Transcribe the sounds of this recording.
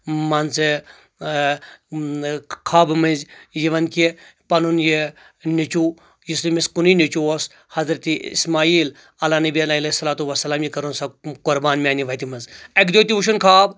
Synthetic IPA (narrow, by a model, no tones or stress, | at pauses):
mɐnt͡se | kʰaːbmɐzʲjiʋɐnkipɐnunji | nʲit͡ʃuː | jislimiskuninit͡ʃuos | hɐzɾɐt̪iḭsmaːiːl | ɐlaːnɐbiɐlaːɐlesːɐlaːt̪uʋɐsːɐlaːmjikɐɾunsakʊɾbaːnmiaːniʋɐt̪imɐzɐkd̪oːt̪iʋuʃ̬unkʰaːb